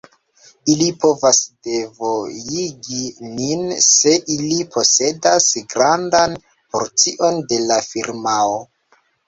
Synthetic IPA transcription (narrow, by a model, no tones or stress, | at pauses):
ilipo̞vasde̞vo̞jiɡininse̞ʔilipʰo̞se̞dasɡɾandan | po̞̰ɾt͡siʔo̞nde̞lafiɾmao